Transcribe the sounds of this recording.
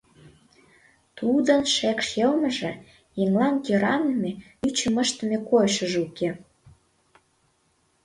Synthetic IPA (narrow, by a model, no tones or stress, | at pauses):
t̪ud̪ənʃekʃjelmə̆ʒĕ | eŋlɑnt̪eɾɑnəme | yt͡ɕə̆mə̆ʃt̪ə̆mekojʃə̆ʒuke